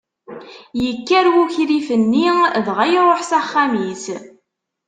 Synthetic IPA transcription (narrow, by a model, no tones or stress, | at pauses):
jəkːæɾwuçɾifənːiðʁæjɾˤoħsaχːamis